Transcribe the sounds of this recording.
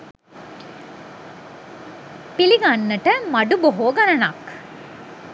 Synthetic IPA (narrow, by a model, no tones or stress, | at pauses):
piliɡanːəʈəmaɖuboɦoːɡanənak